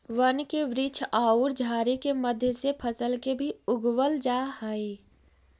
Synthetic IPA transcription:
ʋənkeʋɾɪt͡ʃʰaːuɾd͡ʒʱaːɾikeməd̪ʱjəsepʰəsəlkebʱiʊɡwəld͡ʒahəi

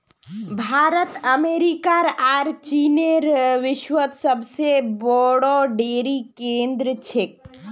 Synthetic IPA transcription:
bʱaːɾət̪əmeɾikaɾaːɾt͡ʃineɾʋɪʃwət̪səbsebɔɽoɖeːɾikẽnd̪ɾət͡ʃʰek̚

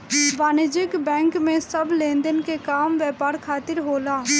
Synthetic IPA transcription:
baːnɪd͡ʒɪkbɛ̃ːŋkmẽsəblẽːnd̪ənkekaːmʋjɛːpaːɾkʰaːt̪ɪɾɦoːlaː

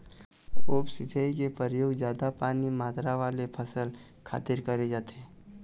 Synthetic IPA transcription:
oːpsɪt͡ʃʰaikepəɾjoːɡzjaːd̪apaːnimaːt̪ɾaʋaːlepʰəsəl | kʰa̰ːt̪ɪɾkɐɾed͡ʒaːt̪ɛː

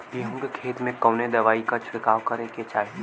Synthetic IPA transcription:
jeɦũŋɡekʰeːt̪mẽkɔːned̪ɐʋaːikat͡ʃʰɽɪkaːʋkɐɾeket͡ʃaːe

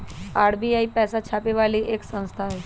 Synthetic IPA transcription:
aːɽbiːaːipɛːsat͡ʃʰaːpeʋaːliʔeːksə̃nst̪ʰaɦɛː

